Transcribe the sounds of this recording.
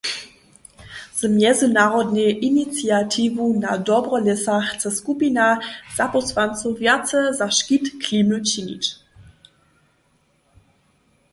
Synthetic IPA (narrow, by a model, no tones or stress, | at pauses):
z̥mjɛzinaʁɔdneʔinit͡siatʰivunadɔbʁɔlɛsaxt͡sɛskupinaz̥apɔsvant͡suvjat͡səzaʃkitkʰliːmət͡ɕinḭt͡ʃ